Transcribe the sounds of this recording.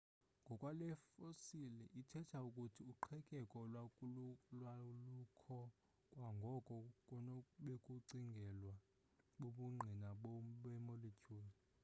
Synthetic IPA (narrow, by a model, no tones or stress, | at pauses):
ŋɡʱɔkʼwalɛfosilɛʔitʰɛtʰaukʼutʰiuǃʰɛkʼɛkʼɔl | lwalukʰɔ | kʼwaŋɡʱɔkʼɔkʼɔnɔɓekʼuǀiŋɡʱɛlwa | ɓoɓuŋ͡ǃʱinaɓɓɛmolicʰʼoːri